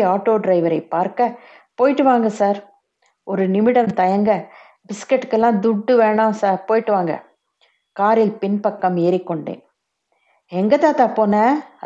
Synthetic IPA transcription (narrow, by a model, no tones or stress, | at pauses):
aːʈːoːɖɾɐɪʋɐɾɐɪpaːɾkɐ | poːjɪʈːɯʋaːŋɡɐsaːɾ | ɔɾɯnɪmɪɽɐmt̪ɐjɐŋɡɐ | bɪskɛʈːkːɛlːãːd̪ʊʈːɯʋeːɳãːsaːɾpoːjɪʈːɯʋaːŋɡɐ̰ | kaːɾɪlpɪnpɐkːɐmeːɾɪkːɔɳɖḛːn | ɛŋɡɐt̪aːt̪aːpoːnɐ